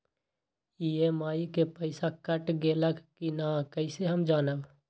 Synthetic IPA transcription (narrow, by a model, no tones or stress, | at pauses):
iemaːikepəɪsakəʈɡeːləkkinakəɪseɦəmd͡ʒaːnəb